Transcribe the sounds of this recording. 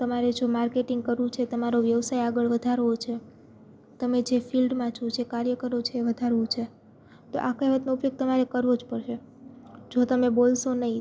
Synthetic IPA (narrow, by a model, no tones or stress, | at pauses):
t̪əmaɾed͡ʒomaɾkeʈiŋɡ̚kəɾʋũt͡ʃʰet̪əmaɾoʋjəʋsajaɡəɭʋəd̪ʱaɾʋot͡ʃʰe | t̪əmed͡ʒefilɖmãt͡ʃʰõt͡ʃʰekaɾjəkəɾot͡ʃʰeːʋəd̪ʱaɾʋũt͡ʃʰe | t̪o̰ʔakajʋət̪noupjoɡ̚t̪əmaɾekəɾʋod͡ʒpəɾʃe | d͡ʒot̪əmebolʃonəĩ